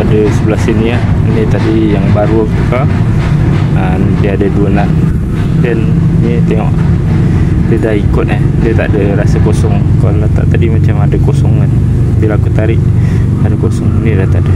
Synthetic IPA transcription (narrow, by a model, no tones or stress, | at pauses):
adəsəbəlasiniah | nit̪adijaŋbaɾuakət̪uka | əndiadəduənan | diən | nit̪eŋɔ̰ʔ | didaɦikʊt̪̚ahdiət̪a̰ʔdəɾasəkosɔŋkalat̪a̰ʔt̪adimat͡ʃamadəkosɔŋan | dilakut̪aɾɪʔ | adəkosɔŋnidaht̪aʔdə